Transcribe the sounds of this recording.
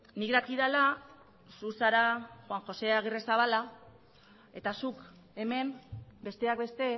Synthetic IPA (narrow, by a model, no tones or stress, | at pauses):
nikd̪akiðala | susaɾaxwaŋxo̞se̞aɣiresaβala | e̞t̪asuk | e̞me̞nbe̞st̪e̞ak̚be̞st̪e̞